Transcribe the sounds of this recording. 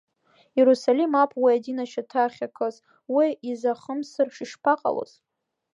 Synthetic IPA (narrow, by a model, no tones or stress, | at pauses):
jeɾusalimapʰwiadinaʃatʰaχʲakʰɨz | wiizaχəmsɨrʂiʂpʰaqʼa̰lo̰z̥